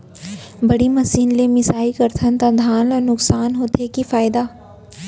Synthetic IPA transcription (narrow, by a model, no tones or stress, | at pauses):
bɐɽimɐsiːnlemɪsaːikɐɾt̪ʰənt̪ad̪ʱaːnlanʊksaːnɦoːt̪ʰekifaːɪd̪aː